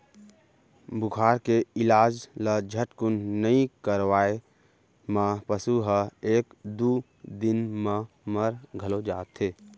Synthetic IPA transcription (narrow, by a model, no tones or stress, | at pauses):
bʊkʰaːɾkeɪlaːd͡ʒlad͡ʒʱəʈkʊnːəɦĩkəɾwaːe | mãpəsuɦəeːkd̪u | d̪ɪnmə̃ | məɾɡʱəlod͡ʒaːt̪ʰeː